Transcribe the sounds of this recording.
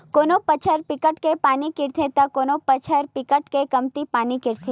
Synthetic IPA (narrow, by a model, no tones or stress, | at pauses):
konopət͡ʃʰəɾpɪkəʈkepaːnikɪɾt̪ʰet̪akonopət͡ʃʰəɾpɪkəʈkekəmt̪ipaːnikɪɾt̪ʰe